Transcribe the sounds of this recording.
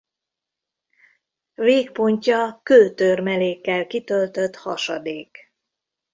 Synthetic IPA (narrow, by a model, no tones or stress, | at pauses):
veːkpo̞ɲcɒkøːt̪ørmɛleːkːɛlkit̪ø̞lt̪ø̞t̪hɒʃɒd̪eːk